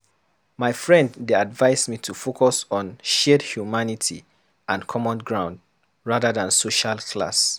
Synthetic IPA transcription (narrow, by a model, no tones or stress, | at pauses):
maɪfɹɛ̃nddeadvaɪsmitʰufokʰɔsɔ̃nʃedhjumanitʰḭ | ʔãnkʰɔmɔ̃nɡɹãʊ̃nd | ɹaðəðãnsoʃalkʰla̰s